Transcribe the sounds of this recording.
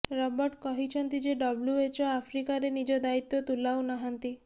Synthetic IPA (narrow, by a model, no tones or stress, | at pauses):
ɾɔbɔɾʈkɔɦit͡ʃʰɔnt̪id͡ʒeɖɔbljuet͡ʃɔapʰɾikaɾenid͡ʒɔd̪ait̪ːɔt̪ulawnɔɦant̪i